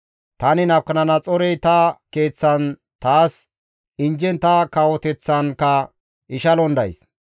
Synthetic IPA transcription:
t̪ɐnɪnɐwkːɐnɐnɐt͡sʼɔɾɛjt̪ɐke̞ːt͡sːɐn | t̪aːs | ɪnd͡ʒɛnt̪ɐkawɔt̪ɛt͡sːɐnkɐ | ʔɪʃɐlɔnd̪ɐ̰js

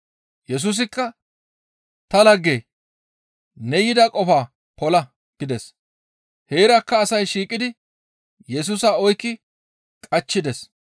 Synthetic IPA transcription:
jɛs̬uːs̬ɪkːɐ | t̪ɐlɐɡːeː | nɛjɪd̪ɐkʼɔfaː | pɔlɐ | ɡ̥ɪd̪ɛs | he̞ːɾɐkːɐːsɐjʃiːkʼːɪd̪ɪ | jɛs̬uːsɐɔjkːɪ | kʼɐt͡ʃːɪd̪ɛs

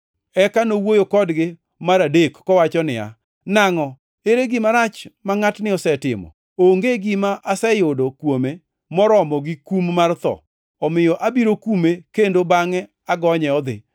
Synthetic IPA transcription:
ɛkanowojokɔdɡɪ | maɾadekːɔwat͡ʃɔnɪa̰ | naŋɔ | eɾeɡɪmaɾat͡ʃmaŋatnɪɔsɛtɪ̰mɔ̰ | oŋɡeɡimaʔasɛjʊdokwome | mɔɾɔmɔɡɪkummart̪ɔ̰ | ɔmɪjɔʔabiɾokumekendobaŋɛ | aɡɔɲɛɔd̪ɪ̰

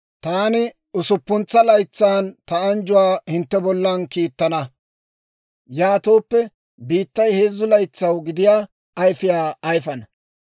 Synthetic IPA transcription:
t̪aːnɪ | ʊsʊpːʊnt͡sːɐlɐjt͡sːaːnt̪ɐɐnd͡ʒʊwaːhɪnt̪ːɛbɔlːɐnkiːt̪ːɐnɐ | jaːt̪o̞ːpːɛ | biːt̪ːɐjhe̞ːzːʊlɐjt͡sːɐwɡɪd̪ɪjaː | ɐjfɪjaːjfɐnɐ

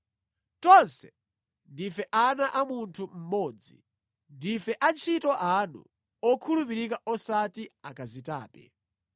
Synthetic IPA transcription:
tɔnsɛ̥ | ndifɛʔanaʔamuntʰum̩mɔːd͡zḭ | ndifɛʔant͡ʃʰitɔʔanṵ | ɔkʰulupiɾikaʔɔsatiakazita̰ːpɛ̰

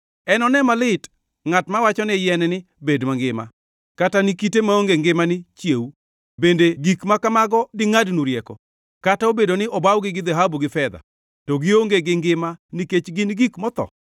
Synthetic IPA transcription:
ɛnɔnɛmalɪt | ŋatmawat͡ʃɔnɛjɛnɛnɪ | bedmaŋɡɪma̰ | katanikitemaoŋɡeŋɡɪmanɪt͡ʃjeu | bendeɡikmakamaɡɔdɪŋadnuɾjɛkɔ | kataobedonɪʔɔbawɡɪɡɪd̪ɛɦabuɡɪfɛd̪a̰ | tɔɡɪoŋɡeɡɪŋɡɪmaniket͡ʃɡɪnɡikmɔt̪ɔ̰

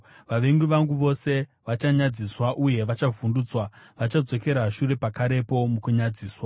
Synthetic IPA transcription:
ʋaʋe̞ŋɡuʋaŋɡuʋo̞se̞ʋat͡ʃaɲad͡ziswaʔuje̞ʋat͡ʃavʱunduːt͡swaʋat͡ʃad͡zo̞ke̞ɾaʃuɾe̞pakaɾe̞po̞mukuɲad͡ziːswa

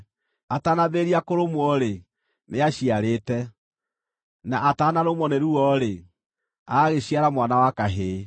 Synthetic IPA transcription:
atanaβeːɾiakoɾomwɔɾe | nʔeaɕiaɾeːtɛ | naʔataːnaɾomɔneɾuɔɾe | aɣeɕiaɾamwanawakaɦeː

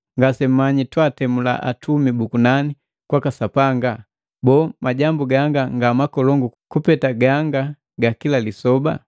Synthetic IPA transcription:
ŋɡasɛm̩maɲitwatɛmula̰ʔa̰tʰumibukunani | kwakasapaŋɡa | bɔːmaɟambuɡaŋɡaŋɡamakɔlɔŋɡukupɛtaɡaŋɡa | ɡakilalisɔba̰

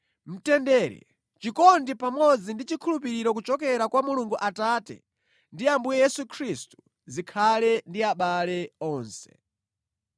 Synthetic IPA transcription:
m̩tɛndɛːɾɛ̰ | t͡ʃikɔndipamɔd͡zindit͡ʃikʰulupiɾiɾɔk̬ut͡ʃɔkɛɾakwamuluŋɡuʔataːtɛ̰ | ndiambujɛjɛsukʰɾistu̥ | zikʰalɛndiaɓalɛɔːnsɛ̥

